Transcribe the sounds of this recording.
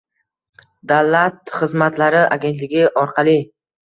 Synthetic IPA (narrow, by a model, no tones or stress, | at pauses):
d̪avlat̪χɨzmat̪laɾɪʔa̰ɡʲe̞nt̪lɪɡʲɪʔɒɾqʰɑlˠɪ